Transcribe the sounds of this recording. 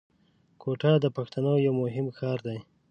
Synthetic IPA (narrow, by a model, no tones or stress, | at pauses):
kʰoʈɑd̪əpaxt̪anojawmʊɦɪmkɑɾd̪aj